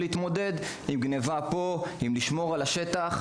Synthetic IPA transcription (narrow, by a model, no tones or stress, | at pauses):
liit̪mo̞de̞d̪ | imɡnevapo̞imliʃmo̞ʁalaʃet̪aχ